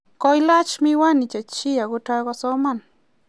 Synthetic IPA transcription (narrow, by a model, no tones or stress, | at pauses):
kojlat͡ʃmɪwanɪt͡ʃat͡ʃijaɡʊʈ͡ʂajɡosoman